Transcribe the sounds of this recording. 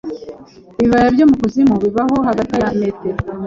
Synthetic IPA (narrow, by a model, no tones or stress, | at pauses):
βiβajabjoːmukuzimuβiβaɦo̞ɦaɡatijaimete